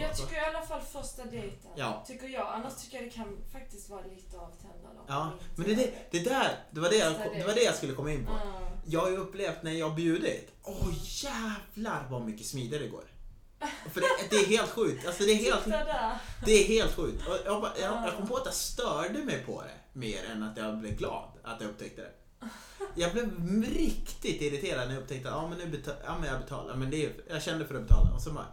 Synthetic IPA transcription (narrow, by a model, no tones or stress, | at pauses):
jɑt̪ʰʏkːəɾɪalːafalːfœʂʈad̪ɛjt̪ənjɑ̰ːt̪ʰʏkːəɾjɑːɡanːaʂt̪ʰʏkːəjad̪ɛkʰanfak̚t̪ɪst̪vɑːɾaliːt̪əavt̪ʰɛnd̪a̰d̪ɔ̰ʔɑːmɛnd̪ɛd̪ɛd̪̥ɛd̪æɾd̪̥ɛvaɖɛjakɔd̪ɛvaɖɛjaskɵlːəkʰɔmːaɪnːpʰɔ̰jɑːhajəɵpːleːft̪næɾjɑːbjʉ̟ːd̪ɪ̰t̪ | ʔɔjæːvlaɾvamʏkːəsmiːd̪ɪaɾəɡo̰ːɾ | fœɾd̪ɛːɦeːlt̪ɧʉ̟ːk̚t̪alsɔd̪ɛæɾɦeːlt̪ | d̪ɛæɾɦeːlt̪ɧʉ̟ːk̚t̪ʰɔjɑbɑjɑjɑkʰɔmːəpʰɔat̪jɑst̪œːɖəmɛjpʰɔ̰d̪ɛ̰ | meːɾɛ̰nat̪jɑɡblɛvɡlɑ̰ːd̪a̰t̪jɑɵp̚ːt̪ʰɛk̚t̪əd̪ɛ̰ | jɑːɡblɪvɾɪkt̪ɪt̪ɪɾɪt̪ʰeːɾad̪nɛjɵpːt̪ʰɛk̚t̪əaɑːmɛnːʉːbɛt̪ʰɑ̰ːmɛnjɑabɛt̪ʰɑ̰ːla̰mɛnd̪ɛjɑɡɕɛnd̪əfœɾaɔbɛt̪ʰɑ̰ːla̰ɔ̰sɔmɑ̰